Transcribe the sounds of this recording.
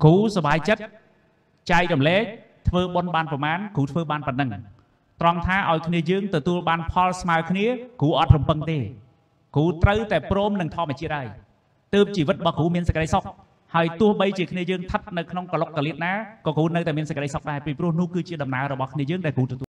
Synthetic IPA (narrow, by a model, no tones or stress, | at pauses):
kuːsɑɓaːjt͡ɕət̪̚ | t͡ɕaɛk̚ɗɑmlɛːk̚ | t̪ʰʋəːɓonɓaːnprɑmaːnkuːt̪ʰʋəːɓaːnpənːɨŋ | t̪rɑŋt̪ʰaːʔaɔjkʰniəjəːŋt̪ɔt̪uəlɓaːnpʰɑlsmaəkʰniəkuːʔɑt̪̚rumpɨŋt̪eː | kuːt̪rəwt̪aɛproːmnɨŋt̪ʰŏəmɛət͡ɕiət̪̚haəj | t̪əːp̚t͡ɕiːʋɨt̪̚rɔɓɑhkuːmiənsəck̚ɗəjsok̚ | haəjt̪ʊ̆əhɓəjt͡ɕiəkʰniəjəːŋt̪ʰət̪̚nɨwkʰnoŋkalok̚ːaliət̪̚naːkɑːkuːnɨwt̪aɛmiənsə̆k̚ɗəjsok̚ɗaɛpiːprʊ̆əhnʊ̆əhkɨːt͡ɕiəɗɑmnaəɾɔɓɑhkʰniəjəːŋɗaɛlkuːt̪ɔt̪uːə